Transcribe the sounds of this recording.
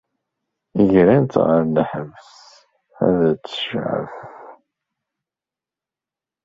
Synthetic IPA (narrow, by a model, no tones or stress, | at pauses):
əʝɾænt̪ʁəɾnəħəvs | æ̰ðt͡sːə̥ʃʕə̰f